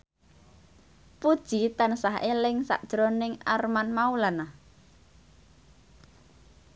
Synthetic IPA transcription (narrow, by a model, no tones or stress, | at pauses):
pud̥ʒ̥it̪ansaɦelɪŋsa̰ʔd̥ʒ̥ɾonɪŋarmanmaulanah